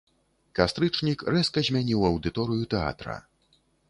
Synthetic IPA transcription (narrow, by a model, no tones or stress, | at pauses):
kast̪ɾɨt͡ʂnʲikrɛskɐzʲmʲanʲiwɐwd̪ɨt̪ɔɾɨjut̪ɛa̰t̪ɾɐ̰